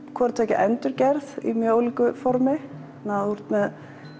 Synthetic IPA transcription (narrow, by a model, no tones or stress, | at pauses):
kʰvɔɾat̪ʰɛːcɪ̰ʔɛnt̪ʏɾcɛɾðḭmjœːowliːkʏfɔɾmɪ | nauɾ̥t̪mɛð